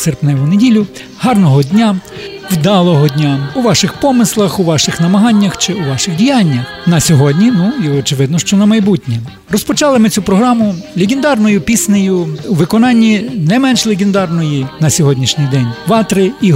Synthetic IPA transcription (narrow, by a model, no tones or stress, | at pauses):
serpnɛʋʊnedʲilʲʊ | hɑrnɔɦɔdʲnʲaʋʲd̪ɑlˠɔɦɔdʲnʲauʋɑʃɪxpɔmɪslˠɐxuʋɑʃɪxnɐmɐɦɑnʲːɐxt͡ʃɪuʋɑʃɪɣdʲijɑnʲːɐxnɐsʲɔɦɔdʲnʲinuiɔt͡ʃɪʋɪd̪nɔʃt͡ʃɔnɐmɐjbutʲnʲɛ | rɔspɔt͡ʃɑlˠɪmɪt͡sʲupɾɔɦɾɑmʊlʲeɡʲɪnd̪ɑrnɔjʊpʲisnejʊuʋɪkɔnɑnʲːinɛmɛnʃlʲˠeɡʲɪnd̪ɑrnɔjinɐsʲɔɦɔdʲnʲiʃnʲɪjd̪ɛnʲʋɑt̪ɾɪi